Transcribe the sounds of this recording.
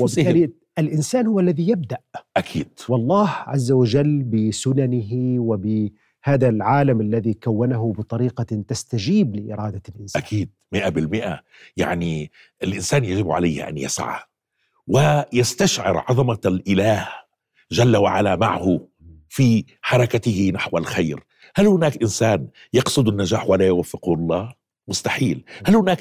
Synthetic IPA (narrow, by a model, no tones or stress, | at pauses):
wɪbɪl | ʔɪlʔɪnsaːnhʊwːalːaðijab̚d̪aʔʔakʰḭːd̪̥wɑlˤːɑːhʕazːawad͡ʒalːbɪsʊnanɪɦiwɪbɪ | haːðalʕaːlamʔalːaðikawːanaɦʊbɨt̪ˤɑɾiːqɑt̪ast̪ad͡ʒiːblɪʔɪ̰ɾˤɑːd̪alʔɪnsʔakʰiːd̪̚mɪʔabɪlmɪʔa̰ | ja̰ʕni | ʔɪlʔɪnsaːnjaʒɪbʕa̰lajhʔa̰nja̰sʕa̰ | wɪjast̪aʃʕɪ̰ɾʕɑðˤɑmalʔɪlaːh | ʒalːawaʕalama̰ʕhʊ | fi | ħɑɾˤɑkat̪ɪhɪnaħwalxajɾ | halhʊnaːkʔɪnsaːn | jɑqsˤʊd̪anːaʒaːħwalajʊwafːɪqlˤːɑː | mʊst̪aħiːlhalhʊnaːk